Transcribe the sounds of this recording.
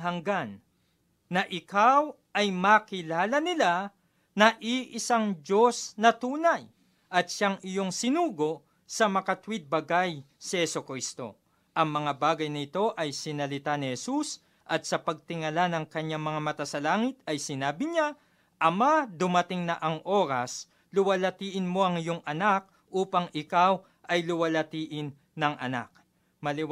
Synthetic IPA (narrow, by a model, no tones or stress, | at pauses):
ɦɐŋɡanː | ɐʔɪkaw | ʔɐjmakɪlaːlɐnɪla | nɐʔiʔɪsaŋd͡ʒo̞snɐt̪uːnɐj | ʔɐt̪̚ʃaŋɪjo̞ŋsɪnuːɡo̞ | sɐmɐkɐt̪wid̪̚bɐɡajsɐhɛsokɾist̪o̞̰ | ʔɐŋmɐŋabaːɡɐjnɐɪt̪o̞ʔɐjsɪnɐlɪt̪anɪhɛsus | ʔɐt̪̚sɐpɐɡ̚t̪ɪŋɐlanɐŋkɐɲːaŋmɐŋamɐt̪asɐlaːŋɪt̪̚ɐjsɪnaːbɪɲa | ʔɐmad̪ʊmɐt̪ɪŋnɐʔɐŋʔo̞ːɾɐs | lʊwɐlɐt̪iːʔɪnmo̞ʔɐŋɪjoŋʔɐnak̚ | ʔuːpɐŋɪkaw | ʔɐjlʊwɐlɐt̪iːʔɪnːɐŋʔɐ̰na̰k̚ | mɐlɪ